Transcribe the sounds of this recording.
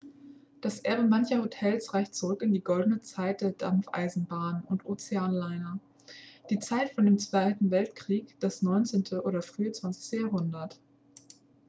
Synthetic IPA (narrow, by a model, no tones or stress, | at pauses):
d̥asʔɛɐbəmançɐhotʰɛlsʁaɪçtt͡suʁʏkɪndiːɡɔldn̩ət͡saɪt̚d̥eːɐda̰mfʔa̰ɪzn̩baːnʊntʔoːt͡seaːnlaɪnɐ | d̥iːt͡saɪtfɔndeːmt͡sv̥aɪtn̩vɛltkʁ̥iːkd̥asnɔʏnt͡seːntʰəʔoːɾɐfʁ̥yːət͡sv̥ant͡sɪ̥çtəjaɦʊndɐt